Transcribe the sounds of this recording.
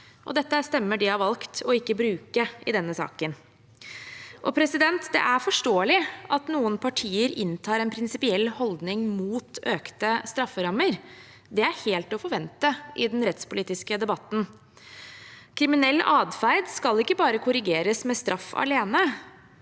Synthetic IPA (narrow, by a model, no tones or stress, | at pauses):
ʔɔ̰d̪ɛt̪ːəæst̪ɛmːəɖɪɑʋɑlkt̪ʰɔɪkːəbɾʉːkəʔɪd̪ɛnːəsɑ̰ːkən | ʔɔ̰pʰɾɛsɪd̪ɛnt̪d̪ɛ̰ʔæɾfɔʂʈoːəlɪʔɑt̪nuːənpʰɑʈʰiːəɾɪ̰nt̪ʰɑːɾɛnpʰɾɪnsɪpɪɛlːhɔld̪nɪŋmuːt̪øːkt̪əst̪ɾɑfːəɾɑmːəɾ | d̪ɛæɾheːlt̪ɔfɔɾʋɛnt̪əʔɪd̪ɛnɾɛt̪spʊliːt̪ɪskəd̪ɛbɑt̪ːn̩ | kʰɾɪmɪnɛlːʔɑːd̪fæɪd̪skɑlɪkːəbɑːɾəkʰʊɾɪɡeːɾəsmɛst̪ɾʔɑfːɑ̰leːnə